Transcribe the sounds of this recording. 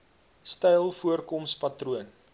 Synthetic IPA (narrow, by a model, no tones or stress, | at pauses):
stɛjlˠfuərkɔmspɐtruən